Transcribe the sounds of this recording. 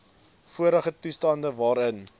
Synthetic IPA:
fuəɾəχətustɑndəvɑːɾən

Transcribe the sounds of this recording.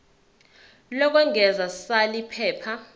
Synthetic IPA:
lɔk̬ʼwɛŋɛzasalipʰɛːpʰa

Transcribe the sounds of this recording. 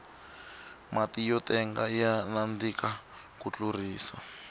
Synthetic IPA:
matijɔtɛŋɡajanand͡zika | kut͡ɬuriːsa̰

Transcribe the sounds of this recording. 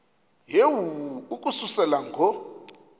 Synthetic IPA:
jewuwuukʼususɛlaŋɡʱɔ

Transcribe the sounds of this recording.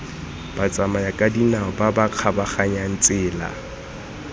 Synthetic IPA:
b̥at͡sʼamajakʼadinaʊbabaq͡χʰabaχaɲan̩t͡sʼɪːla̰

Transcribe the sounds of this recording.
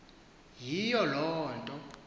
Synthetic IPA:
jijɔlɔːntʼɔ

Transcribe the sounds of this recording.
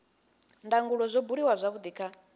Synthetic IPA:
ndaŋɡuɺɔzʷɔbuɺiwazʷaβud̪iːkʰa

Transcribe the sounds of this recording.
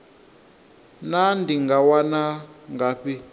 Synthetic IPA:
nandiŋɡawanaŋɡaɸi

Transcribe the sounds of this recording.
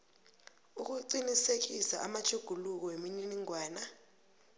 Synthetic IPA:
uk̬uǀinisek̬isaʔamat͡ʃʰuɡ̥ʱuluk̬ɔwemininiŋwaːna

